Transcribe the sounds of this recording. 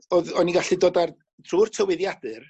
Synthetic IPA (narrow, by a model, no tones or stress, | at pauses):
ɔðɔniɡaɬɨdoːdar | tʰruːrtʰəwɛðjadɨr